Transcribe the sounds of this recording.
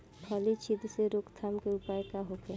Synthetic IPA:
bʱəlit͡ʃʰid̪ʱseɾokt̪ʰamkeupaekaɦoke

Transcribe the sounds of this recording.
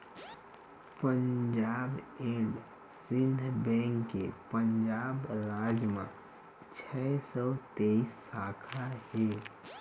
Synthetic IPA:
pəɲd͡ʒaːbẽːɖ | sɪnbɛ̃ːŋkːepənd͡ʒaːbɾaːd͡ʒmã | t͡ʃʰɛsɔːt̪eisːaːkʰaɦɛ

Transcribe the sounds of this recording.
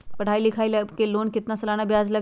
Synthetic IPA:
pɐɽ̤ʰaːilɪkʰaːilkeloːnkɪt̪nasɐlaːnabjaːzlɐ

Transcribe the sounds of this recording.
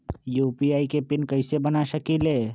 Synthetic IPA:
juːpiaːikepɪnkɐɪsebɐnaʃɐkileː

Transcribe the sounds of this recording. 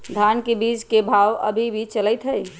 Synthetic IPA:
d̪ʱankebid͡ʒkebʱawə̰bʱibʱit͡ʃələjt̪ɦəj

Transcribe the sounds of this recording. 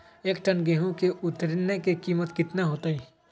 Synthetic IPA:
eːkʈənɡeːɦõkeʔʊt̪ɾɪnːekekiːmət̪kɪt̪naɦoːt̪aiː

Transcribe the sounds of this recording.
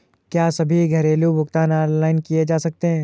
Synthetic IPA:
kjaːsɐbʱiɡʱɐɾeːlubʱʊɡt̪aːnaːɾlaːɪnkijed͡ʒaːsɐk̚t̪eɦɛ̃ː

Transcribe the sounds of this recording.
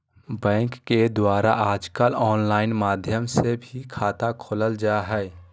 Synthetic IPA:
bɛ̃ːŋkːed̪waːɾa̰ʔaːd͡ʒkəlɔːnlaːɪnmaːd̪ʱjəmsebʱikʰaːt̪akʰoləld͡ʒaɦɛː

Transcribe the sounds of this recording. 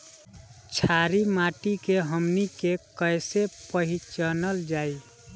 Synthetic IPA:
t͡ʃʰaɾimaʈikeɦəmnikekəjsepəɦit͡ʃənəld͡ʒai

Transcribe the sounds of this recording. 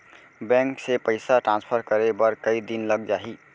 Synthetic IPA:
bɛ̃ŋksepəɪsaʈɾãnspʰəɾkəɾebəɾkəid̪inləɡ̚d͡ʒaɦi

